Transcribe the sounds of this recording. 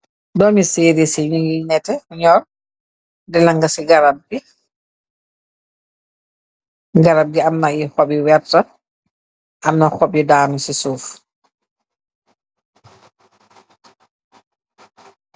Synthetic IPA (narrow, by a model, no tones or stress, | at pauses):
dɔːmiseːɾisiɲŋinɛtːɛɲɔːr | dɛlaŋɡɐsiɡaɾab̚ɡi | ɡaɾab̚ɡiamnaixɔɓiwɛɾtɐ | ʔamnɐxɔb̚jidaːmisisuːf